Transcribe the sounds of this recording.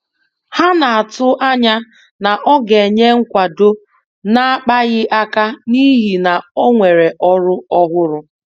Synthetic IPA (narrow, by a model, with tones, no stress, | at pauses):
ha˦na˨a˨tʊ˦ʔa˦ɲa˦ | na˨ʔɔ˦ɡe˨ɲe˦ŋ̩˦kʷa˨do˦ | na˦k͡pa˦ɣɪ˦ʔa˦ka˦ni˦ɦi˨na˨o˦ŋʷe˨ɾe˨ʔɔ˦ɾʊ˦ɔ˦ɦʊ˦ɾʊ˦